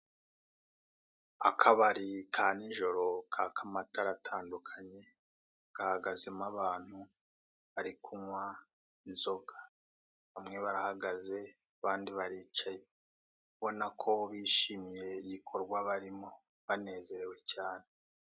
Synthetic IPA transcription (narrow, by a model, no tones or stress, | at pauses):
akʰaβaɾikʰaːniɲʒo̞ɾo̞kʰakʰamataɾatʰaːndukʰaɲe̞ | ɡ̥ahaɡaze̞maβaːn̥hu | βaɾikʰumwa | inzo̞ɡa | βamŋe̞βaɾahaɡaze̞ | aβaːndiβaɾiːt͡ʃaje | kuβo̞nakʰo̞βiːʃimije̞ijikʰo̞ɾɡwaβaɾimo̞ | βane̞ːze̞ɾe̞we̞caːne